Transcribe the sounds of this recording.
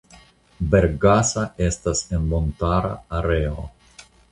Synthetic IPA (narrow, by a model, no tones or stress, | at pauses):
be̞ɾɡasae̞stase̞nmo̞ntaɾa̰ːɾeo̰